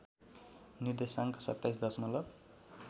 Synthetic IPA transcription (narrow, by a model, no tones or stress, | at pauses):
niɾd̪esaŋkosʌ̰t̪ːajs̬d̪ʌsmʌlʌb